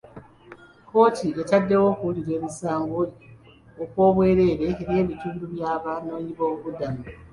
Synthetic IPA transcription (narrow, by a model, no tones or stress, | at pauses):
ko̞ːtʰietadːe̞wo̞kuliɾe̞ːβisaːŋɡoi | okwo̞ːβweːɾe̞ːɾe̞ːɾje̞ːβituːduβjaːβanoɲiβoβudami